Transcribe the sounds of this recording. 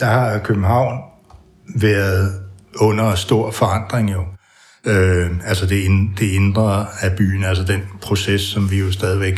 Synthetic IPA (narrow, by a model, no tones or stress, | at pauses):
d̥ɑ̈hɑ̈kʰøb̥m̩ɦɑ̈ʊ̰n | ʋæɐð̩ˠɔ̽n̰ɐsd̥o̝ɐ̰fɒ̽ɑ̈n̰d̥ʁeŋjo̝ | øælsəd̥e̝end̥e̝e̝nd̥ʁɐæb̥y̰ːn̩æls̬əd̥en̰pʰʁo̝sesːɒ̽mʋijo̝sd̥ɛːð̞ˠiʋeɡ̥